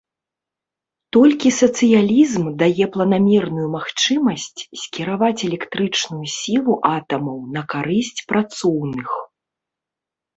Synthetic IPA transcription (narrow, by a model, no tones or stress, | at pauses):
t̪ɔlʲkʲisɐt̪sɨjalʲizmd̪ajɛplˠɐnamʲɛrnujumaxt͡ʂɨmɐsʲt͡sʲsʲkʲiɾavat͡sʲɛlʲɛkt̪ɾɨt͡ʂnujusʲilˠuʔat̪ɐmɐwnɐkaɾɨsʲt͡sʲpɾat̪sɔwnɨx